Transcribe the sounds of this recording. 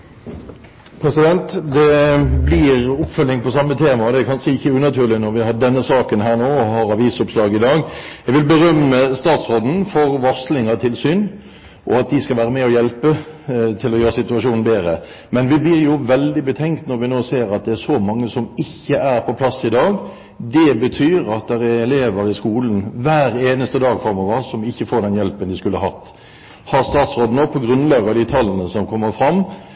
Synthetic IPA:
pʰɾɛsɪd̪ɛnt̪d̪ɛblɪʁʊpfœlːɪŋpʰɔsɑmːət̪ʰeːmɑɔd̪ɛækʰɑnʂəɪçːəʉnɑt̪ʰyːʁlɪnɔɾʋɪhɑd̪ɛnːəsɑːkənɦæːʁnoːɔhɑɾɑʋiːsʊpslɑːɡɪd̪ɑːɡjɛɡʋɪlbəɾœmːəst̪ɑːt̪sʁoːd̪n̩fɔʁʋɔʁslɪŋɑt̪ʰɪlsyːn | ʔɔ̰ɑt̪̚d̪ɪskɑlʋæːɾəmɛɔjɛlpət̪ʰɪlɔjøːɾəsɪt̪ʉɑʂuːnn̩beːɾə̰ | mɛnʋɪblɪɾjʊʋɛld̪ɪbət̪ʰɛŋkt̪nɔʁʋɪnoːseːɾɑt̪̚d̪ɛæɾsɔmɑŋːəsɔmɪçːəʔæɾpʰɔpʰlɑsːɪd̪ɑːɡ | d̪ɛbət̪ʰyːɾɑt̪̚d̪ɛɾæɛleːʋəɾɪskuːlənʋæːɾeːnəst̪əd̪ɑːɡfʁɑmɔʋəɾsɔmɪçːəfoːɾd̪ɛnjɛlpənd̪ɪskʉlːəɦɑt̪ː | hɑɾst̪ɑːt̪sʁoːd̪ən̩oːpʰɔɡɾʉnlɑːɡɑd̪ɪt̪ʰɑlːənəsɔmkʰɔmːəfɾɑmː

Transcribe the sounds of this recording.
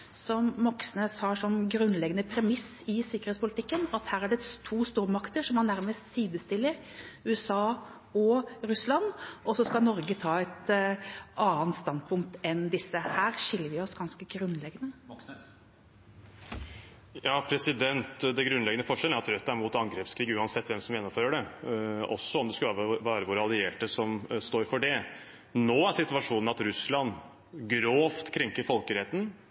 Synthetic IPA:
sɔmmɔksneːshɑʂɔmɡɾʉnlɛɡənəpʰɾɛmɪs | ɪsɪkəɾet̪spʰʊlɪt̪ɪkːənɑt̪hæːɾæɖɛt̪ʰuːst̪uːɾmɑkt̪əʂɔmːɑnd̪æɾməst̪siːd̪əst̪ɪlːəɾʉːɛsɑː | ɔɾʉslɑnːʔɔsːɔskɑlnɔɾɡət̪ʰɑːɛt̪ | ʔɑːənt̪st̪ɑnd̪̚pʰʊŋk̚t̪ɛnd̪ɪsːəhæːɾʂɪlːəɾʋɪɔsɡɑnskəɡɾʉnːlɛɡənə | jɑːpʰɾɛsɪd̪ɛnt̪d̪ɛɡɾʉnlɛɡənəfɔʂɛlæɾɑt̪ɾœt̪ːæɾmʊt̪ɑŋɡɾeːpskʰɾiːɡʉːɑnsɛt̪ːʋɛmsɔmjɛnːɔmføːɾəɖɛɔsːɔɔmd̪ɛskʉlːʋæːɾəʋʊɾɑlɪeːʈəsɔmst̪oːɾfɔɖɛ | noːæʂɪt̪ʋɑʂuːnəɑt̪ɾʉslɑn | ɡɾoːft̪kʰɾɛŋkəɾfɔlkəɾɛt̪n̩

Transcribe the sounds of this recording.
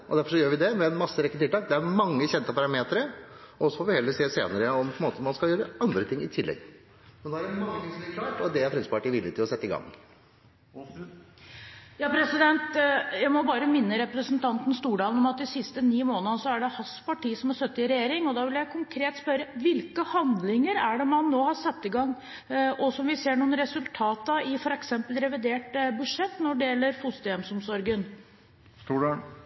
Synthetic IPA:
ʔɔd̪æɾfɔʂɔjøːɾʋɪd̪ɛmɛmɑsːəɾɛkːət̪ʰɪlt̪ɑːk̚d̪ɛæɾmɑŋːəçɛnt̪əpɑɾɑmeːt̪əɾəɔɔsːɔfɔːʋɪhɛlːəseːsḛːnəɾəɔmpʰɔɛnmoːt̪əmɑnskɑljøːɾəɑnd̪ɾət̪ʰɪŋːɪt̪ʰɪlːɛ̰ɡ | mɛnd̪ɛæɖɛmɑŋːəsɔɪkʰlɑːʈɔd̪ɛæɾfɛsəpɑʈiːʋɪlːɪt̪ɪlɔsɛt̪ːɪɡɑ̰ŋː | jɑːpʰɾɛsɪd̪ɛnt̪jæɪmɔbɑːɾəmɪnːəɾɛpɾəsnt̪ʰɑnt̪n̩st̪uːɖɑːln̩ɔmɑt̪ɪsɪst̪əniːmoːnəsɔæɖɛhɑspɑʈiːsɔmæst̪œt̪ːəɪɾɛjeːɾɪŋɔd̪ɑːʋɪljæɪkʰʊŋkʰɾeːt̪spœɾəʋɪlkəhɑnd̪lɪŋəɾæɖɛmɑnːoːhɑɾsɑt̪ːɪɡɑŋː | ʔɔsɔmʋɪseːɳuːn̩əɾɛsʉlt̪ʰɑːt̪əɪfɔɾɛksɛmpəlɾɛʋɪd̪eːʈbʉʂɛt̪ːnɔɖɛjɛlːəɾfʊst̪əɛmsɔmsɔɾɡən | st̪uːɖɑ

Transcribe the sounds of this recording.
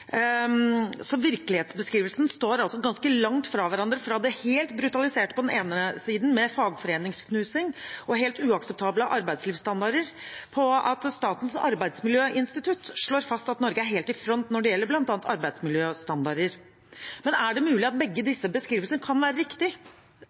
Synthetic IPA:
sɔʋɪɾklɪheːt̪sbəskɾiːʋəlsən̩st̪oːɾɑlsɔɡɑnskəlɑŋt̪fɾɑʋæɾɑnd̪ɾəfɾɑd̪ɛheːlt̪bɾʉt̪ɑlɪseːʈə̥pʰɔd̪ɛneːnəsiːd̪n̩mɛfɑːɡfɔɾeːnɪŋskʰnʉːsɪŋʔɔɦeːlt̪ʉːɑksɛp̚t̪ʰɑːbləʔɑɾbæɪd̪sliːʋst̪ɑnd̪ɑɾəɾpʰɔɑ̰t̪st̪ɑːt̪ənsɑ̰ɾbæɪd̪smɪljøːʔɪnst̪ɪt̪ʰʉt̪ʂɭoːɾfɑst̪ɑt̪nɔɾɡəæɾɦeːlt̪ɪfɾɔnt̪nɔɖɛjɛlːəɾblɑnt̪ɑːnt̪ɑɾbæɪd̪smɪljøːst̪ɑnd̪ɑɾəɾ | mɛnæɖɛmʉːlɪɑt̪̚bɛɡːəd̪ɪsːəbəskɾiːʋəlsənəkʰɑnʋæːɾəɾɪkt̪ɪ

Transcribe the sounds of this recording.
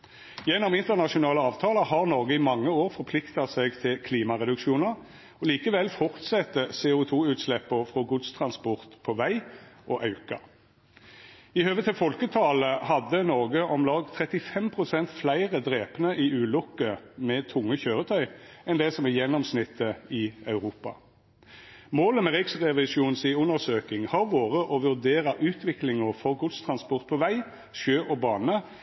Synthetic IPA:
jɛnːɔmɪnt̪əʁnɑʂʊnɑːləɑːʋt̪ʰɑːləhɑʁnɔʁɡəɪmɑŋːəoːʁfɔʁpʰlɪkt̪ɑt̪sɛɡt̪ʰɪlkʰliːmɑʁɛd̪ʉkʃuːnəʁ | ɔliːkəʋɛlfɔʁt̪sɛt̪ːəsɛʊt̪ʰuːʉːt̪slɛpːəfʁɔɡʊd̪st̪ʰʁɑnspɔʁt̪pʰɔʋæɪʔɔʔɑʉkɑ̰ | ɪhøːʋət̪ʰɪlfɔlkət̪ʰɑːləhɑd̪ənɔʁɡəʔɔmlɑːɡt̪ʰʁɛt̪ɪfɛmpʰʁʊsɛnt̪flæɪʁəd̪ʁeːpnəʔɪʉːlʊkəmɛt̪ʰʊŋːəçøːʁət̪ʰœʏɛnd̪ɛsɔmɛjɛnːɔmsnɪt̪ʰːəɪɑʉʁuːpɑ̰ | moːləmɛʁɪksʁɛʋɪʃuːnsiːʉnəʁsøːkɪŋhɑʁʋoːʁəʔɔʋʉʁd̪eːʁɑʔʉːt̪ʰʋɪklɪŋəʁfɔʁɡʉd̪st̪ʰʁɑnspɔʁt̪̚pʰɔʋæɪ | ʃøːʔɔbɑːnə

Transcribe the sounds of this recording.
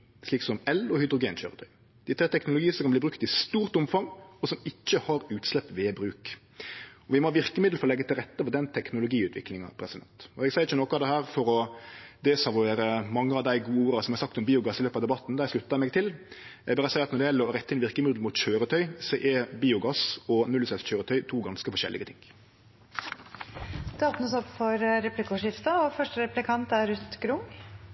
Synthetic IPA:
sliːksɔmɛlɔhʏd̪ɾʊɡeːnçø̰ːɾət̪ʰœʏ | d̪̥ɪt̪ʰɾeːt̪ʰɛknʊlʊɡiːsɔkɑbliːbɾʉkt̪ɪst̪uːɾt̪ʊmfɑŋɔsɔmɪc͡çːəhɑɾʉːt̪slɛpːʋɛbɾʉːk | ɔʋɪmɔʋɪʁkəmɪd̪l̩fɔɾɔlɛɡːət̪ɪlɾɛt̪ːəfɔd̪ɛnt̪ʰɛknʊlʊɡiːʉːt̪ʰʋɪ̰klɪŋɑ̰pʰɾɛsɪd̪ɛ̰nt̪ɔɛɡsɛɪɾɪt͡ʃːənoːkɑd̪ɛhæːɾfɔɾɔd̪ɛsɑʋʊeːɾəmɑŋːəɑʋd̪æɪɡuːəuːɾɑsɔmhæɾsɑk̚t̪ɔmbiːʊɡɑsɪløːpɑʋd̪ɛbɑt̪ːnd̪æɪʂlʉt̪ːɑmɛɡ̚t̪ʰɪlɛ̰ɡbɑːɾəsæɪɑt̪nɔɖ̪ɛjɛlːəɾɾɛt̪ːəɪnʋɪʁkəmʏd̪l̩mʊːt̪çøːɾət̪ʰœʏsɔʔɛbiːʊɡɑsɔnʉlːsɛsçøːɾət̪ʰœʏt̪ʰuːɡɑnskəfɔʂɛ̰lʔɪ̰ɡət̪ʰɪŋ | d̪̥ʉoːpnəsɔpːfɔɾɾɛplɪkʊʂɪft̪ɑɔfœʂʈəɾɛplɪkʰɑnt̪æɾʉt̪ɡɾʊŋ

